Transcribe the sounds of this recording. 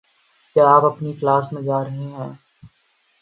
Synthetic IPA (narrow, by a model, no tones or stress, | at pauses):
kjaːaːpɐpniklaːsmẽd͡ʒaːɾɐɦẽɦɛ̃ː